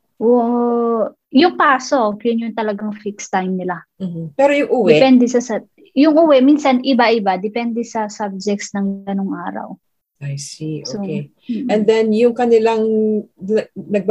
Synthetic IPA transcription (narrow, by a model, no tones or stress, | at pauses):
ʔoːʔo | jʊŋkaːso̞jʊnjʊnt̪ɐlɐɡaŋfikst̪ajmnɪlam̩m̩pɛɾojʊŋʔuwdɛpɛnd̪ɛsɐsɐ | jʊŋʔuwɛminsɐnʔɪbaʔɪbad̪ɛpɛnd̪ɛsɐsab̚d͡ʒɛk̚t̪snɐŋɐnoŋʔaːɾɐ̰w | ajsiʔsooke | ʔɛ̃nd̪ɛnjʊŋkɐnɪlaŋ | nɐɡ̚b